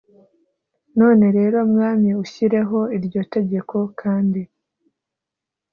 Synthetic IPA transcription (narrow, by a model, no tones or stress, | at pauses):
no̞ːne̞ɾe̞ːɾo̞mŋaːmɲiuçiɾe̞ɦo̞iɾjo̞te̞ɟe̞kʰo̞kʰaːndi